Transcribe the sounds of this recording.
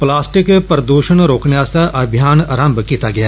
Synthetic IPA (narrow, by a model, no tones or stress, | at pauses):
plaːsʈɪkpɾəd̪uːʃənɾoːknjaːsaʔɐbʱjaːnəɾə̃mbkiːt̪aɡɐjaː